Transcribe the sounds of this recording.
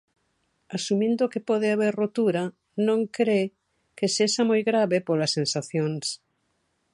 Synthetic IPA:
asumĩnd̪okepɔð̞eaβ̞eɾrot̪uɾa | nõŋkɾe | kesesamojɣɾaβepolasːẽnsaθjoŋs

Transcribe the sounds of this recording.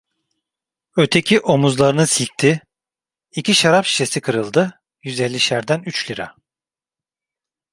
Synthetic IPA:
øt̪ʰe̞cʰiʔo̞muzlˠaɾɯnɯsic̚t̪ʰi | icʰiʃaɾapʃi̥ʃe̞sikʰɯɾɯlˠd̪ɯ | jyzelʲːiʃæɾd̪ænyt͡ʃlʲiɾa̰

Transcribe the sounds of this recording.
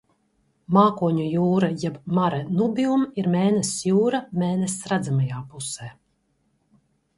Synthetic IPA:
maːkuɔɲujuːɾajɛbmaɾɛnubiumiɾmeːnesjuːɾameːnesːɾad̪zamajaːpusɛː

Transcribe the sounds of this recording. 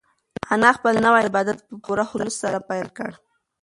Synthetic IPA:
anɑxpəlnawajɪbɑd̪at̪̚pəpuɾaxʊləssaɾapajlkəɽ

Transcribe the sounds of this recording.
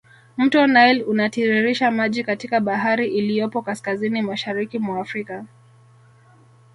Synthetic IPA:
m̩tɔnajlunatiɾiɾiʃamaʄikatikaɓaɦaɾiʔilijɔpɔkaskazinimaʃaɾikimwaːfɾika

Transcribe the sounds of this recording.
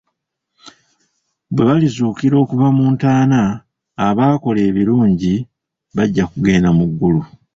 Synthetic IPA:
bwe̞βalizuːkiɾo̞ːkuvamuːntaːnaː | βaːko̞le̞ːβiɾuːɲɟi | βaɟːakuɡe̞ːnamuɡːulu

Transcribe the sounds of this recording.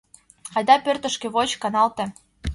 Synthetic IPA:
kɑjd̪ɑpørt̪ə̆ʃkĕβot͡ɕkɑnɑlt̪ĕ

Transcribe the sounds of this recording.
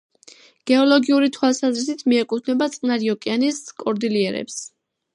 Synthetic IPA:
ɡ̥ɛɔlɔɡiuɾit̪ʰwalˠsazɾisit̪ʰmiɛkʼut̪ʰnɛbat̪sʼqʼnaɾiɔkʼianiskʼɔɾd̪iliɛɾɛ̰ps

